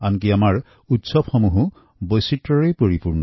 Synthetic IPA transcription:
ank̬iamaɹ | utsɔbxɔmuɦũ | bojsitɹɔɹejpoɹipuɹnɔ

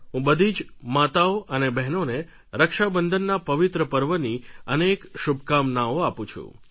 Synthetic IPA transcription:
ɦũbəd̪ʱid͡ʒmat̪aoʔənebɛɦnone | ɾəkʃabənd̪ʱənːapəʋɪt̪ɾəpəɾʋəniənekʃubʱkamnaoapũt͡ʃʰṵ̃

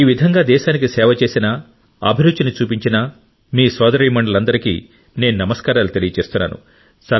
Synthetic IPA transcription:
iːʋid̪ʱɐŋɡaːd̪ɛːʃaːnikisɛːʋɐt͡ʃe̞ːsinɐ | ɐ̰bʱiɾud̪d͡ʒinit͡ʃuːpiɲt͡ʃinɐ | miːsʋɐːd̪ɐɾiːmɐɳɖɐlɐnd̪ɐɾikḭː | ne̞ːnunɐmɐskaːɾaːlut̪e̞lijɐt͡ʃe̞ːst̪unːa̰ːnṵ | sɐ

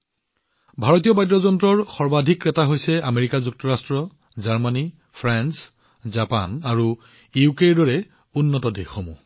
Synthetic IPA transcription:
bʱaɹɔt̬iɔbajdɹɔzɔntɹɔɹxɔɹbadʱikːɛtaɦojsɛameɹikazuk̚tɔɹastɹɔ | zaɹmani | pʰɹans | zapa̰naɹu | iukeɹdɔɹɛ | unːɔtɔdexomu

